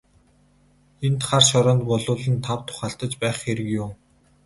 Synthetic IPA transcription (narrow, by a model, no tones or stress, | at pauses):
ent̪χarʃɔɾɔːnt̪pɔɮʊːɮə̆nt̪ʰawt̪ʰʊ̥χaːɬt̪ə̆t͡ɕpæːχxeɾɘ̆kjʊm